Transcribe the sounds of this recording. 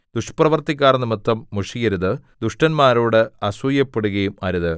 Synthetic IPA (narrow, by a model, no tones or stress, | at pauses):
d̪̥uʂprɐʋɐrt̪ikʲːaːrɐnːɨmɨt̪ːɐmːuʂijɐɾuðɨd̪uʂʈɐnmaːɾoːɽɨɐsujɐpːeɽuɣɐjumɐɾuðɨ